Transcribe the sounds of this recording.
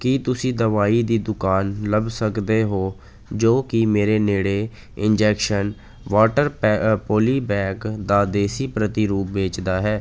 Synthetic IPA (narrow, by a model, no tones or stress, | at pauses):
kiːt̪ʊsĩːd̪əʋaːiːd̪iːd̪ʊkaːnləbsəkd̪eːɦoː | d͡ʒoːkimeːɾeːneːɽeː | ɪnd͡ʒɛːkʃən | ʋaːʈəɾpoːliːbɛːkd̪aːd̪eːsiːpɾət̪iːɾuːp̚beːt͡ʃd̪aːɦɛː